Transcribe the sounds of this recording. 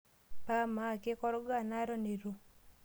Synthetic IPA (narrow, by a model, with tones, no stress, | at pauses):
pa˦ma˦˨ke˦kɔ˦ɾɔ˦ɡa˦˨na˦ɾɔ˦ne˨ɾo˨